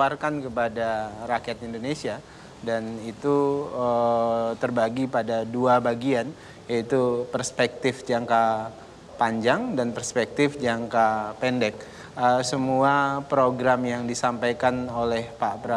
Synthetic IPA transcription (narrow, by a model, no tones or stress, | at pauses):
arkankəpadarakiɛt̪indonesia | danit̪uət̪ərbaɡipadaduabaɡian | jait̪upərspɛk̚t̪ɪfd͡ʒaŋka | paɲd͡ʒaŋdanpərspɛk̚t̪ɪfd͡ʒaŋkapɛndɛk̚ | əsəmuapɾoɡɾamjaŋdisampajkanolɛhpabəɾa